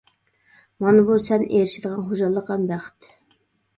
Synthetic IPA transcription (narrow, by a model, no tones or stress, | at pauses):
mɑnɨbusɛnʔeɾɪʃɪd̪əʁɑnχod͡ʒɑlˠːəqːɑnbæχt̪